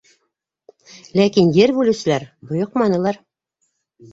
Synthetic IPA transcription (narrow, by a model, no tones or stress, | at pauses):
lækinjɘɾbʉlɘ̆sɘ̆læɾbŏjoqmɑnɤ̆lˠɑɾ